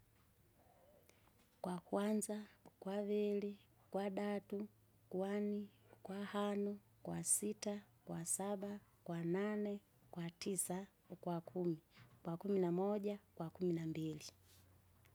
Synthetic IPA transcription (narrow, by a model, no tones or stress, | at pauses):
kwakwanzakwavili | kwaɗatu | kwanikwahanɔ | kwasita | kwasaɓakwananɛ | kwatisa | kwakʰumikwakuminamɔʄakwakuminambili